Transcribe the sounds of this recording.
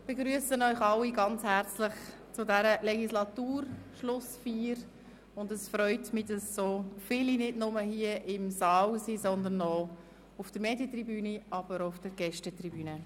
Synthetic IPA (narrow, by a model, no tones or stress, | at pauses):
b̥eɡɾyəsənœʏxɑlːiɡɑnt͡shæɾt͡slɪχ | t͡sʊdɛɾəlɛɡislɑtuːɾʃlʊsfiːɾ | ʊndəsfɾœʏtmidɑsːoːfɪlinɪdnʊməhiəʔɪmsɑːlsizɔnd̪ənːɔ | ʊfd̥əɾmeːdjət̪ribyːniɑb̥əɾʊfd̥əɾɡ̥ɛʃtətribyːnə